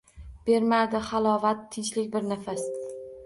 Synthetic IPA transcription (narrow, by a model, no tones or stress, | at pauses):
b̥e̞ɾmad̪ɪχalˠɒvat̪ʰːɪnt͡ʃlɪkʲbɪɾnafas